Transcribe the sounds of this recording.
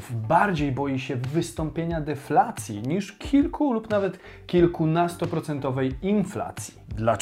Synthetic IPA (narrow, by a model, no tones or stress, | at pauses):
baɾd͡ʑejbɔjiɕɛvɘst̪ɔmpʲjeɲad̪ɛflat̪sʲjḭɲiʂkʲʰilkʰulupnavɛt̪ | kʲilkunast̪ɔpɾɔt̪sɛnt̪ɔvɛjinfla̰t̪sʲjid̪la